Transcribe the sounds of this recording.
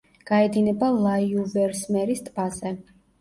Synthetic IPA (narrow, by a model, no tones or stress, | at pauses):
ɡ̥aɛd̪inɛbalˠaiuvɛɾsmɛɾist̪ʼbazɛ